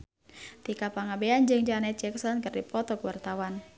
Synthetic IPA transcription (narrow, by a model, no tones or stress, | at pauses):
t̪ikapaŋabeand͡ʒɨŋd͡ʒanɛt͡ʃɛksɔnkɨrdipɔt̪ɔkəwart̪awan